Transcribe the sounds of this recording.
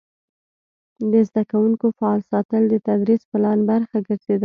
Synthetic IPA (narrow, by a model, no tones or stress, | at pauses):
d̪əzd̪akawuŋkofaɑlsɑt̪əld̪ət̪ad̪ɾisplɑnbaɾxaɡəɾz̥ed̪a